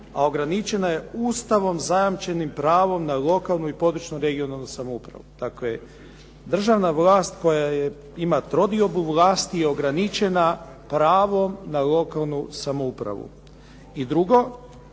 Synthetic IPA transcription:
a̰o̞ɡɾanit͡ʃe̞naje̞uːst̪aʋo̞mzajamt͡ʃe̞nimpɾaːʋo̞mnalˠo̞kalˠnuipo̞d̪ɾut͡ʃnuɾe̞ɡio̞nalˠnusamoupɾa̰ʋud̪̥akle | d̪r̩ʒaʋnaʋlˠaːst̪ko̞jaje | imat̪ɾo̞d̪io̞buʋlaːst̪ije̞o̞ɡɾanit͡ʃe̞na | pɾaːʋo̞mnalˠo̞kalˠnusamoupɾa̰ʋṵ | id̪ɾuɡo̞

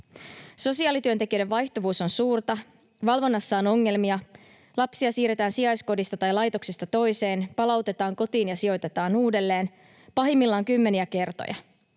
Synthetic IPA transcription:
so̞siɑːlit̪yønt̪e̞k̟iø̞jde̞ʋʋɑjht̪o̞ʋuːso̞nsuːrt̪ɑ | ʋɑlʋo̞nːɑsːɑono̞ŋːe̞lmiɑ | lɑpsiɑsiːɾe̞t̪æːnsiɑjsko̞dist̪ɑt̪ɑjlɑjt̪o̞ksest̪ɑt̪o̞jse̞ːnpɑlɑwt̪e̞t̪ɑːŋko̞t̪iːnjɑsio̞jt̪e̞t̪ɑːnuːde̞lːe̞ːn | pɑɦimːilːɑːŋkymːe̞niæke̞rt̪o̰jɑ̰

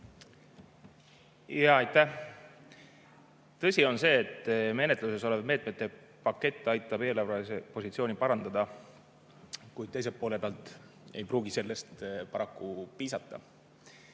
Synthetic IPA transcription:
jɑːɑjt̪ːˑæ | t̪ɤsʲio̞nse̞ːt̪ːme̞ne̞t̪ˑluse̞so̞levme̞ːt̪̚ˑmet̪ˑːe̞ | pɑkːe̞t̪ˑːɑjt̪ːˑɑbe̞ːlɑvɑise̞po̞sit̪sio̞ːnipɑɾɑnd̪̥ɑd̪̥ɑ | kujd̥̪t̪ejsep̚poːle̞peɑlt̪ˑ | e̞̰jpruːɡise̞lːest̪pɑɾɑkːupiːsɑt̪ːɑ̰

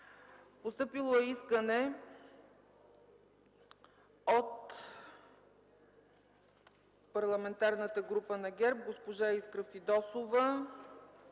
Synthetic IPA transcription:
post̪ɤpilˠoɛiskənɛ | ot̪ | pɐɾlˠɐmɛnt̪aɾnət̪əɡɾupənɐɡʲɛɾp̚ɡospoʒaɛiskɾəfid̪ɔsovə

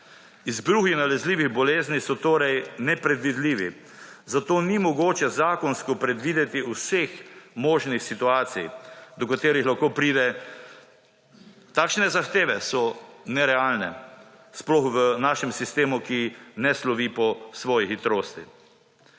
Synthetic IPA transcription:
izbɾuːɣinalɛzliːʋiɣbɔleːznisɔt̪oːɾɛjnɛpɾɛd̪ʋid̪liːʋḭ | zat̪oːnimɔɡoːt͡ʃɛzaːkɔnskɔpɾɛd̪ʋiːd̪ɛt̪iusexmɔːʒnixsit̪uaːt̪sḭjd̪ɔkat̪eːɾixlaxkoːpɾiːd̪ɛ | t̪aːkʃnɛzaxt̪eːʋɛsɔnɛɾɛaːlnɛ | splɔxʋənaːʃɛmsist̪eːmukinɛslɔʋiːpɔsʋɔːjixit̪ɾoːst̪i

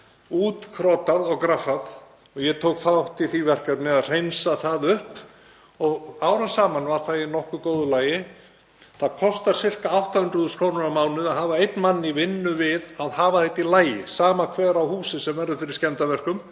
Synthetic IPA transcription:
uːt̪kʰɾɔːt̪aðɔɣkɾafað | ɔɣjɛt̪ʰowkθaaht̪iθivɛr̥kaɾnɛðaðr̥ejnsaθaðʏhp | ɔɣaːwɾansaːmanvaɾ̥θaðinɔhkʏkoːwðʏlaːjɪ | θaðkʰɔst̪aɾ̥sɪr̥kaawht̪ahʏnd̪ɾuðʏskʰɾownʏɾamaːwnʏðaɦaːvaejt̪nmanːɪvɪnːʏvɪðaðhaːvaθɛjt̪ːilaːjɪsaːmakʰvɛːɾawhuːsɪsɛmvɛɾðʏfɪɾɪscɛnt̪avɛr̥kʏm

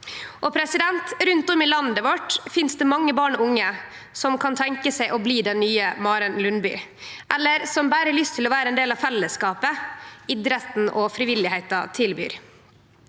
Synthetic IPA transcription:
ʔɔpʰɾɛsɪd̪ɛnt̪ɾʉnt̪ɔmɪlɑnd̪əʋɔʈfɪnsd̪ɛmɑŋːəbɑːɳɔʊŋːə | sɔmkʰɑnt̪ʰɛŋkəsɛɪʔɔbliːd̪ɛnːyːəmɑːɾənlʉnby̰ː | ʔɛlːəɾsɔmbæːɾəəlʏst̪ʰɪlɔʋæːɾəɛnd̪eːlɑʋfɛlːəskɑːpəɪd̪ɾət̪n̩ʔɔfɾɪʋɪlɪhæɪt̪ɑt̪ʰɪlby̰ːɾ

